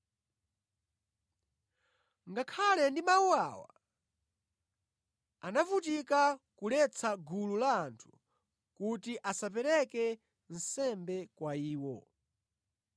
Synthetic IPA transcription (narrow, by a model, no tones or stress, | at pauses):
ŋɡakʰalɛndimawuawa̰ | anafut̬ikakulɛt͡sʰaɡululaːntʰu̥ | kutiʔasap̬ɛɾɛkɛ | n̩sɛmbɛkwaiːwɔ